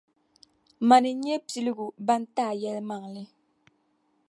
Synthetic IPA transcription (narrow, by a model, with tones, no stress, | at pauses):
ma˨ni˨ɲɛ˦pi˨li˦ɡu˨ba˦n˦ta˦˨jɛ˦lma˨ŋlɪ˦